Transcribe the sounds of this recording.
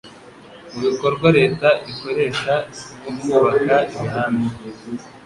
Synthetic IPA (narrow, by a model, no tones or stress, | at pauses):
muβiko̞ɾbɡwaɾe̞ːtaiko̞ɾe̞ːʃaiommuβakaiβihaːmbi